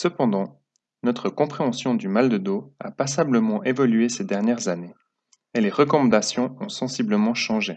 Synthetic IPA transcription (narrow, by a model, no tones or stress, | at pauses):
səpɑ̃d̪ɑ̃ | nɔt̪χəkɔ̃pχeɑ̃sjɔ̃d̪ymald̪əd̪oa̰pasabləmɑ̃ʔevɔlyesed̪ɛʁnjɛʁzane | eleʁəkɔmɑ̃d̪asjɔ̃ɔ̃sɑ̃sibləmɑ̃ʃɑ̃ʒe